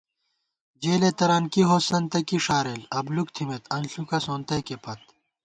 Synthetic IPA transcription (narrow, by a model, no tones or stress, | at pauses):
d͡ʑeːlet̪ɐɾaːnkiɦoːsɐnt̪ɐkiʂaːɾelɐbluk̚t̪ʰimet̪ɐnɬukɐsoːnt̪ɐkepʰɐt̪̚